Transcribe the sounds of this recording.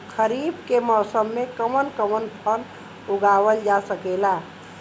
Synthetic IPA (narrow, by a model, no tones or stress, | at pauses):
kʰəɾibkemɔsəmːekəmənkəmənpʰəl | uɡaʋəld͡ʒasəkela